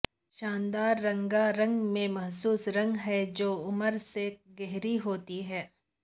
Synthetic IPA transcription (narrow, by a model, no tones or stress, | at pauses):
ʃaːnd̪aːɾːɐ̃ŋɡaɾɐ̃ŋɡmẽmɐɦsuːsɾɐ̃ŋɡɦɛd͡ʒoːʊməɾseɡɛɦɾiɦoːt̪iɦɛː